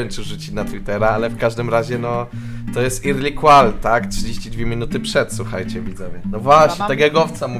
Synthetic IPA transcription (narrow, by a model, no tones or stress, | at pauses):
ɛnt͡ʂɘʐut͡ɕit͡ɕnat̪wit̪ɛɾaalɛfkaʐd̪ɘmɾaʑɛnɔ | t̪ɔjɛst̪iɾlʲikwalt̪aktʂɨd͡ʑeɕt͡ɕid̪vʲjemʲinut̪ɘpʂɛt̪swuxa̰jt͡ɕɛvʲid̪zɛmʲɛnɔvwaɕɲɛt̪ɛɡɛɡɔft̪samu